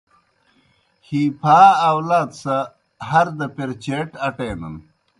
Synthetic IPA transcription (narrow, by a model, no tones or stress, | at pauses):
hiːpʰaːwlaːd̪sɐ | ɦɐɾd̪ɐpeɾt͡ɕeʈɐʈeːnɐ̰n